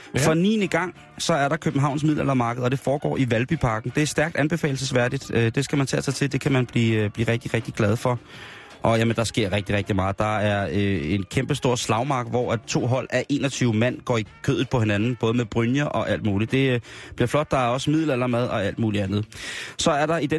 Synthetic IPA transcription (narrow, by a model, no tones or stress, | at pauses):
fɒ̽niːniɡ̥ɑ̈ŋ̰ | sɒ̽æɐɾɑ̈kʰøb̥̩ɦɑ̈ʊ̰nsmiðˠlælɐmɑ̈ːɡ̥əð̩ˠɒd̥e̝fɒːɡ̥ɒ̰ːiʋælb̥ipʰɑ̈ɡ̥n̩d̥e̝æɐsd̥æɐɡ̥d̥ænb̥e̝fɛ̰ːl̩səsʋæɐdid̥ød̥e̝sɡ̥æmænt͡sʰɛ̰sɑ̈ɪt͡sʰe̝ld̥e̝kʰæmænb̥liːb̥liːʁɛɡ̥̚d̥iʁɛɡ̥̚d̥iɡ̥lɛð̞ˠfɒ̽ | ʔɒ̽jæmənd̥ɑ̈sɡ̥e̝ɐ̰ʁeɡ̥̚d̥iʁɛɡ̥d̥imɑ̈ːð̩ˠd̥ɑ̈æɐøe̝nkʰemb̥əsd̥o̝ɐ̰slɑ̈ʊmɑ̈ːɡ̥ˠʋɒ̰æt͡sʰo̝̰ːɦɒ̽l̰æʔe̝̰ːnɒ̽t͡sʰyːʊmæn̰ɡ̥ɒ̰ːikʰø̰ðˠð̩ˠpʰɒ̽he̝nænn̩b̥ɔ̽ːð̞ˠəmeðˠb̥ʁynjɐʔɒ̽ʔæl̰d̥muːlid̥e̝b̥liɐ̰flɒ̽d̥̚ːɑ̈æɐɒ̽smið̞̰ˠlælɐmæð̞ˠɒ̽æl̰d̥muːliænð̞̩ˠsɒ̽æɐɾɑ̈id̥e